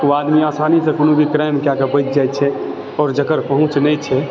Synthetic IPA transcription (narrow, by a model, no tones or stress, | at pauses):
uad̪miaːsanisẽkoːnõbʱikɾəjmkjakebəjt͡ʃ̚d͡ʒajt̪t͡ʃʰɛ | ɔːɾd͡ʒəkəɾpəɦʊ̃t͡ʃnɛjt͡ʃʰɛ